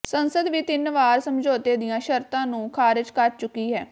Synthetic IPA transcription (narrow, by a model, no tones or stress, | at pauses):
sənsəd̪ʋiːt̪ɪnʋaːɾsəmd͡ʒoːt̪eːd̪ɪjãːʃəɾt̪ãːnũːkʰaːɾɪd͡ʒkəɾt͡ʃʊkːiːɦɛː